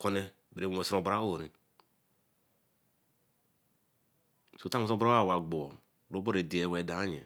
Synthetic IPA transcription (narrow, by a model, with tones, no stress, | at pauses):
ko˦ne˦ | be˨˦˨o˨sɾõ˨bɾa˦o˦˨ɾi˨ | so˦ta˦mo˦so˦bɾa˦a˦˨wa˨ɡ͡bo˨o˨ | o˦bo˦ɾe˨di˨e˨wɛ˨da˨˦ɲḛ˨